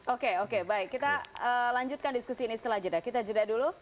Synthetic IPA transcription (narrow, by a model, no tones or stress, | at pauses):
okeokebaɪkːit̪aəlaɲd͡ʒut̪̚kandiskusiːnisə̥t̪əlahd͡ʒədakit̪ad͡ʒədadulu